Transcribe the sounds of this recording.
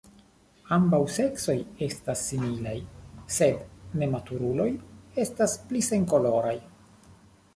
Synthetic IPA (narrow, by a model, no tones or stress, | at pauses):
ambawse̞kso̞je̞stasːimilajse̞dne̞matuɾulo̞je̞stasplise̞ŋko̞lo̞ɾaj